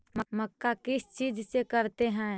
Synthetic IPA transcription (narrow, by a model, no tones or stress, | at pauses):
məməkːakɪst͡ʃiːd͡ʒsekɐɾt̪eɦɛ̃ː